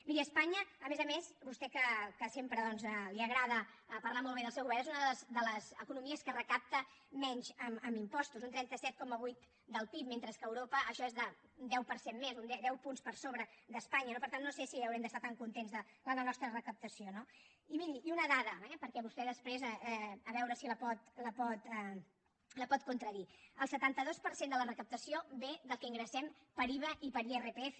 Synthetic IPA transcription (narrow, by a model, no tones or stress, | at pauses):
miɾiəspaɲəːmezəmeszβust̪ɛkəkəsempɾəðɔnzəliəɣɾaðəpɐɾlamolˠβeðəlˠsewɣuβɛɾnezunəðəzd̪ələzəkunumiəskərəkap̚t̪əmɛɲzəməmimpɔst̪uzunt̪ɾɛnt̪əsɛt̪̚kɔməβujt̪ | d̪əlˠpip̚ment̪ɾəskəːwɾopəʔːʃɔezðəund̪ɛwpəɾsemmezund̪ɛd̪ɛwpunspəɾsoβɾəðəspaɲənopəɾt̪anːosesiəwɾɛmd̪əst̪at̪aŋkunt̪enzðələənɔst̪ɾərəkəp̚t̪əsiono | iβiɾiunəðaðəɛpəɾkɛβust̪ɛðəspɾezəɛəβɛwɾəsiləpɔt̪ləpɔt̪ɛ | ləpɔt̪̚kunt̪ɾəðiəlˠsət̪ant̪əðospəɾsend̪ələrəkəp̚t̪əsioβeðəlˠkɛiŋɡɾəsɛmpəɾiβəʔipəɾierəpeɛf